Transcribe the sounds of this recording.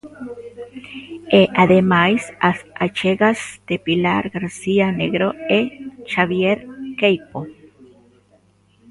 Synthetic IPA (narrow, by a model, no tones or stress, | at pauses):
eʔaðemajsaat͡ʃeɡasd̪̥epila̰ɾɡaɾsianeɡɾoet͡ʃaβjeɾkejpo